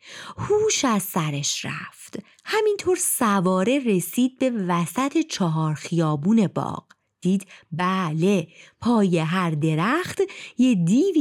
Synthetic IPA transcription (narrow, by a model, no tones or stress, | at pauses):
huːʃæzsæɾeʃɾæ̰ft̪ | hæmint̪ʰo̞ːɾsævɒːɾe̞re̞siːd̪̚be̞væsæt̪ʰe̞t͡ʃʰɒɦɒːɾxijɒːbuːne̞bɒ̰ːɢ̥ | d̪̥iːd̪bæle̞pʰɒːje̞ɦæɾd̪e̞ɾæχt̪jed̪iːv